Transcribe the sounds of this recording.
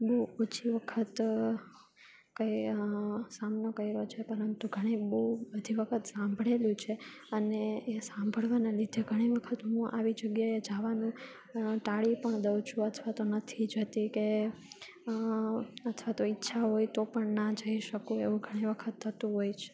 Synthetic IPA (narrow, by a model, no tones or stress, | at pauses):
boɦuot͡ʃʰiʋəkʰət̪ | kəj | samnokəiɾot͡ʃʰepəɾənt̪uɡʱəɽ̃ibəubəd̪ʱiʋəkʰət̪sãmbʱɽeljũt͡ʃʰeəneesãmbʱəɭʋanalid̪ʱeɡʱəɽ̃iʋəkʰət̪ɦũʔa̰ʋid͡ʒəɡjaed͡ʒaʋanũ | ʈaɭipəɳd̪əwt͡ʃʰũət̪ʰʋat̪onət̪ʰid͡ʒət̪ike | ət̪ʰʋat̪oitːʃʰaɦojt̪opəɳnad͡ʒəiʃəkũeʋũɡʱəɽ̃iʋəkʰət̪ʰːət̪ũɦojt͡ʃʰe̥